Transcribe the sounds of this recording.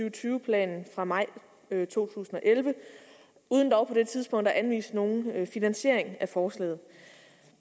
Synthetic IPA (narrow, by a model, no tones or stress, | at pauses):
yʊət͡sʰyːʊəpʰlɛ̰ːnn̩fʁɑ̈mɑ̈ɪ̰ | t͡sʰo̝̰ːt͡sʰṵːsn̩ɒ̽ʔelʋə | ʔuːð̞ˠnd̥ɒʊpʰɒ̽d̥e̝t͡sʰið̞ˠsb̥ɔ̽ŋ̰d̥ɑʔænʋḭːsd̥no̝ːn̩finænɕe̝ɐ̰e̝ŋæfɒːslɛ̰ːð̞̩ˠ